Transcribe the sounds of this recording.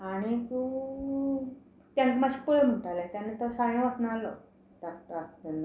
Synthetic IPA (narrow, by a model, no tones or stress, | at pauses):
aɽ̃it̪u | t̪jãŋkimaɕi̥pəɭm̤əʈalat̪janːet̪ɔsaɭjãʋaknaalɔ | t̪aɾtast̪enːa